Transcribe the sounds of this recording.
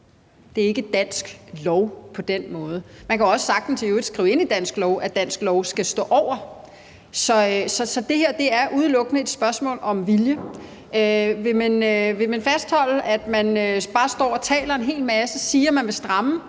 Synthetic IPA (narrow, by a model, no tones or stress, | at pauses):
d̥e̝æɐe̝ɡ̥əd̥æn̰sɡ̥lɒʊpʰɒ̽d̥en̰mɔ̽ːð̞ˠəmænkʰæɒ̽sə̥sɑ̈ɡ̥̚d̥n̩sʰeød̥sɡ̥ʁḭʊe̝n̰id̥æn̰sɡ̥lɒʊʔæd̥æn̰sɡ̥lɒʊsɡ̥æsd̥ɔ̰̽ːʔɒʊ̰ɐ | sɒ̽sɒ̽sɒ̽d̥e̝heɐ̰d̥e̝æɐʔuð̞ˠlɔ̽ɡ̥ənəe̝d̥sb̥ɶɐsmɔ̰̽ːlɒ̽mʋiljə | øʋe̝mænøʋe̝mænfæsd̥hɒ̽l̰əʔæd̥mænøb̥ɑ̈ːsd̥ɒ̰ːɒt͡sʰɛ̰ːlɐe̝nɦe̝̰ːlmæsəsiːɐmænʋe̝sd̥ʁɑ̈mə